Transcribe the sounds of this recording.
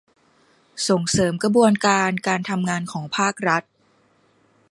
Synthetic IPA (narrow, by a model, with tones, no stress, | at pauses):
so˨˩ŋsɤː˩˦mkɾa˧bu˧ənkaː˧nkaː˧nt̪ʰa˧mŋaː˧nkʰɔː˩˦ŋpʰaː˥˩k̚ɾa˦˥t̪̚